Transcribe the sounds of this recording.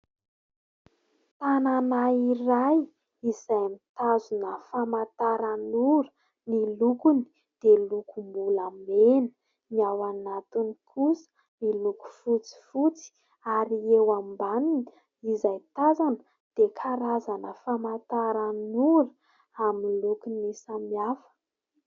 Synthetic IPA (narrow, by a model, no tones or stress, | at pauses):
t̪ananairaj | izajmit̪azunəfamat̪aɾanuɾə̥ | nilukuni̥ | d̪̥elukumbulamenə̥ | niawanat̪unikʰusə̥ | niluku̥fut͡si̥fut͡si̥ | aɾiewambanini | izajt̪azanə | d̪̥ekʰaɾazanəfamat̪aɾanuɾə | amilukunisamiafə̥